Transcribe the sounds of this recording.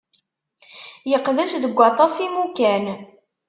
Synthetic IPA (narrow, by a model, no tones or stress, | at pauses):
jəqðæʃðəɡʷːɑt̪ˤɑsimukæn